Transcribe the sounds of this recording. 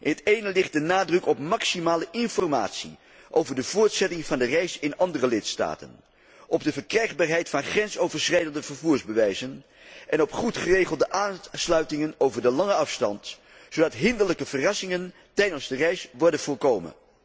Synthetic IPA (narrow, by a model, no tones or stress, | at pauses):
ʔɪnɦətejnəlɪχt̚dənaːdrɵkɔp̚mɑksimaːləʔɪnfɔrma̰ːtsḭ | ʔowvəɹdəv̥ʊːɹtsɛtɪŋvɑndərɛjsɪnɑndərəlɪtsta̰ːtə̰n | ʔɔb̚dəvəɹkrɛjχbaːɹɦɛjtfɑnχrɛnsowvəɹsrɛjdəndəvəɹvuːɹzbəʋɛjzən | ʔɛnɔpχutχərejχəlˠdəʔaːnslœɥtɪŋənowvəɹdəlɑŋəɑfstɑ̰nt | sowdɑtɦɪndələkəv̥ərɑsɪŋən | tɛjdənzdərɛjsʋɔɹdənv̥ɔːɹkowmə̰n